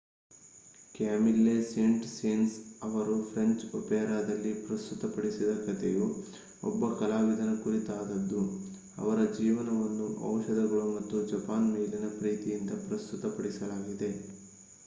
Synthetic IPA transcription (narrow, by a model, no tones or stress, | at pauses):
kaːmilːeseɳʈsensɐʋɐɾupʰɾeɲt͡ʃɔpɛːɾaːd̪ɐlːipɾɐst̪ut̪ɐpɐɽisid̪ɐkɐt̪ʰeju | ɔ̰bːɐkɐlaːʋid̪ʱɐnɐkuɾit̪aːd̪ɐd̪ːu | ɐ̰ʋɐɾɐd͡ʒiːʋɐnɐʋɐnːuʔɐ̰wʃɐd̪ɐɡɐɭumɐt̪ːud͡ʒɐpaːnmeːlinɐpɾiːt̪ijind̪ɐpɾɐst̪ut̪ɐpɐɽisɐlaːɡid̪e̞